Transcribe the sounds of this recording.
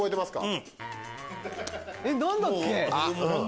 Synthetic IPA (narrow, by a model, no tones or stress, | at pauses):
oet̪emasɨ̥ka̰ɯ̃ | enõnd̪õŋkːeã